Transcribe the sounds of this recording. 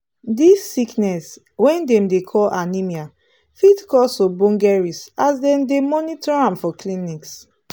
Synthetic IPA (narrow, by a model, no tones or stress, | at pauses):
disːiknɛs | wɛ̃ndɛ̃mdekʰɔlʔanimia | fidkɔsobɔ̃ŋɡɛɹisasdɛ̃mdemɔnitɔɹãmfɔkliniks